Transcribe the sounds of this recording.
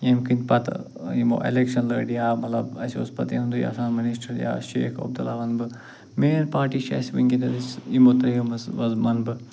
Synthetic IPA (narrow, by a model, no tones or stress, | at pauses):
jemkinʲpɐt̪ | imo̰ːʔḛlekʃɐnlɐːɖjaːmɐt̪lɐbɐsio̰spɐt̪eɦund̪uja̰saːnmɐnisʈɐɾja̰ːʃeːkʰɐ̰b̚d̪ɐlaːʋɐnbɨ | meːnpaːʈiːʃɐ̰sʋɐŋʲɡʲinɐdisimot̪ɾɐjɐmɐsʋɐzmɐnbɨ